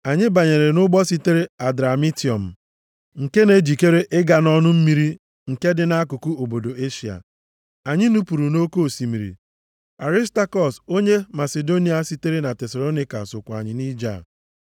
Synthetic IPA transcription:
a˨ɲɪ˦ba˨ɲe˨ɾe˨nʊ˦ɡ͡bɔ˦si˦te˦ɾe˦a˨dɾa˨mi˦ti˦˨ɔ˨m̩˨ | ŋ̩˨ke˦ne˦d͡ʒi˨ke˦ɾe˦ʔɪ˦ɡa˨nɔ˦nʊ˦m̩˦mi˦ɾi˦ | ŋ̩˨ke˦dɪ˨na˦a˦ku˨ku˦o˨bo˨do˨e˦ʃi˨a̰˨ | a˨ɲɪ˦nu˦pu˨ɾu˨no˦ko˦˨si˨mi˨ɾḭ˨ | a˨ɾi˦sta˦kɔ˨so˦ɲe˦ma˨se˨do˦ni˨a˨si˦te˦ɾe˦na˨tɛ˨sa˨lo˦ni˦ka̰˨sʊ˨kʷa̰˨ɲɪ˨ni˦d͡ʒa̰˦˨

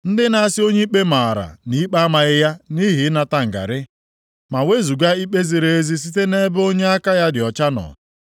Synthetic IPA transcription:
n̩˦dɪ˦na˦a˦sɪ˦o˦ɲe˦i˦k͡pe˦ma˨a˨ɾa̰˨ni˦i˦k͡pa˦a˦ma˨ɣɪ˦ja˦ni˦ɦi˨˦na˨ta˦ŋ̩˨ɡa̰˨ɾɪ˦ | ma˨we˦zu˨ɡa˦i˦k͡pe˦zi˨ɾe˨e˦zi˦s̬i˦te˦ne˦bo˦ɲe˦a˦ka˦ja˦dɪ˨ɔ˨t͡ʃa˦nɔ̰˨

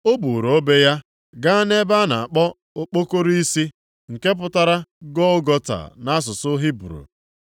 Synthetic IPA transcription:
o˦bu˨ɾo˨˦be˦ja˦ | ɡa˦a˦ne˦ba˦na˨a˨k͡pɔ˦ | o˦k͡po˦ko˦ɾi˦si˦ | ŋ̩˨ke˦p̬ʊ˦ta˦ɾa˦ɡɔ˦ɡɔ˦ta̰˨na˦s̬ʊ˨sʊ˦ɦi˦bɾṵ˨

